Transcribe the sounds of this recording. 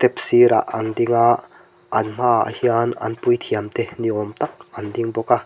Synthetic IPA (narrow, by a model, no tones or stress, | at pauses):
t̪ɛpsiɾa̰ʔand̪iŋa | ʔːnm̥aa̰hianɐ̰npujt̪ʰiamt̪eniʔɔmt̪ak̚ʔandiŋbɔka